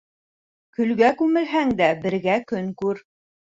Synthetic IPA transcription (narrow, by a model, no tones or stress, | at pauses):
kɵ̆lɡækʉmɘ̆lɦæŋd̪æbɘ̆ɾɡækɵŋkʉɾ